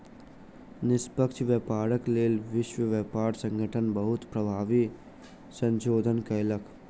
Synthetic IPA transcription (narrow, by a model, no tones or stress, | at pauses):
nɪspəkt͡ʃʰʋjəpaːɾəkleːlʋɪʃwəʋjəpaːɾsə̃ŋɡʱəʈʰənbəɦʊt̪pɾəbʱaːʋi | sə̃nʃoːd̪ʱənkəjləkʰ